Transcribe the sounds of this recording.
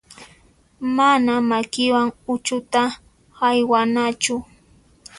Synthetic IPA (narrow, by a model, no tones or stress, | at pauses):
manamakɪwaŋʊt͡ʃʊt̪a | hajwanat͡ʃʊ